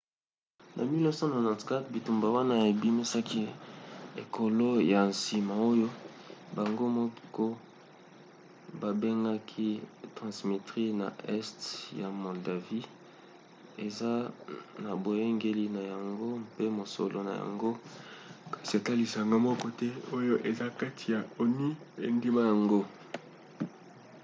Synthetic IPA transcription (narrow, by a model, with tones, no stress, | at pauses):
nʔa˨mi˦lɔ˦sɔ˦na˨nɔ˨ska˦tbi˨tu˨mba˨wa˦na˦e˨bi˦mi˦sa˦ki˦ | ḛ˨kʰo˨lo˦ja˨nsi˨ma˨o˦jo˦ | ba˨ŋɡo˦mɔ˦ko˦ | ba˨be˦ŋɡa˦kʰi˦tʁã˨sme˨tʁi˦na̰˨ɛ˦stja˨mo˨lda˨vi˦ | e˨za˦na˨bo˨je˦ŋɡe˦li˦na˨ja˨ŋɡo˦pe˦mo˨so̰˨lʔo̰˨na̰˨ja̰˨ŋɡo˦ | ka˨si˨a˨ta˦li˨sa˨ŋɡa˦mɔ˦kɔ˦tɛ˦o˦jo˦ʔe˨za˦ka˦tʰi˨ja˨o˨ni˦ | e˨ndi˦ma˦ja˨ŋɡo˦